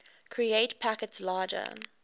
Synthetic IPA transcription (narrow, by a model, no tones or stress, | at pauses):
kʰɹieɪtpʰækətslɑːd͡ʒə̰